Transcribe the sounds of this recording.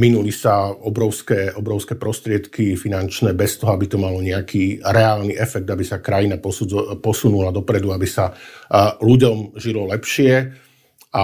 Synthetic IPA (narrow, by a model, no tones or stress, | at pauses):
minulisaɔbɾɔʊskɛːʔɔbɾɔʊskɛːpɾɔst̪ɾɪɛt̪kifinant͡ʃnɛːbɛst̪ɔɦɔabit̪ɔmalɔɲɛakʰiːɾɛaːlniʔɛfɛɡ̚d̪abisakɾajinapɔpɔsunulad̪ɔpɾɛd̪uabisa | luɟɔmʒilɔlɛpʃɪɛ | ʔa